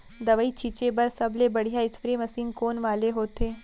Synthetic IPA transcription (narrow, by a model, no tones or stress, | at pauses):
d̪ɐʋəit͡ʃʰiːt͡ʃebɐɾsɐblebɐɽ̤ijaɪsfɾemɐsiːnkoːnʋaːleɦoːt̪eː